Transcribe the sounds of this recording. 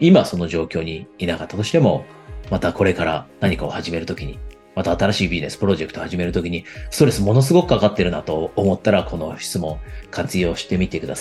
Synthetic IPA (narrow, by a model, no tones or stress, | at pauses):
imaso̞no̞ʑo̞ːkʲo̞ːɲ̟iːnakat̪ːat̪o̞ɕi̥t̪e̞mo̞ | mat̪ako̞ɾe̞kaɾanaɲ̟ikao̞haʑime̞ɾɯ̟t̪o̞kʲiɲ̟i | mat̪aːt̪aɾaɕiːbʲiʑine̞sɨ̥pɯ̟ɾo̞ʑe̞kɯ̟t̪o̞haʑime̞ɾɯ̟t̪o̞kʲiɲ̟ist̪o̞ɾe̞sɨmo̞no̞s̬ɨɡo̞kɯ̟kakat̪ːe̞ɾɯ̟nat̪o̞ːmo̞t̪ːaɾakʰo̞no̞çi̥t͡sɨmõ̞ŋkʰat͡sɨjo̞ːɕi̥t̪e̞mʲit̪e̞kɯd̪a̰sa